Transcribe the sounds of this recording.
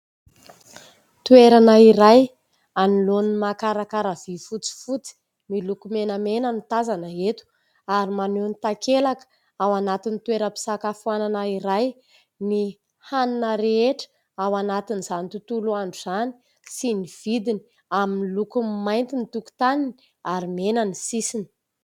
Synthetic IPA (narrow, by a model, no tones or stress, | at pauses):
t̪ueɾanaiɾaj | anilonimakaɾakaɾav̥ifut͡si̥fut͡si̥ | milukumenəmenənit̪azanəet̪u̥ | aɾimanunit̪akelakə̥ | awanat̪init̪weɾəpi̥sakafuananaiɾaj | ni | haninəɾeeʈ͡ʂə̥ | awanat̪iniz̥anit̪ut̪uluaɳɖ͡ʐuz̥ani̥ | siniv̥id̪ini | aminilukumajnt̪init̪uku̥t̪anini̥ | aɾimenənisisini̥